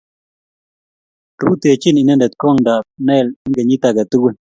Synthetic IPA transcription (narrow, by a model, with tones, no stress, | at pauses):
ɾu˦t̪e˨t͡ʃi˦ni˨nɛ˦ndɛ˨t̪̚kɔ˦˨ŋda˨p̚nɛ˦˨li˦ɡe˨ɲi˦t̪a˨ɡa˨t̪u˦ɡe˦˨n